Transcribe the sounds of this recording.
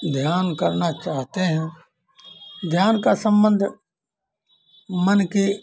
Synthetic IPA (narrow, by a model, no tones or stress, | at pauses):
d̪ʱjaːnkəɾnat͡ʃaːɦt̪eɦɛ̃ | d̪ʱjaːnkasə̃mbə̃nd̪ʱ | mənki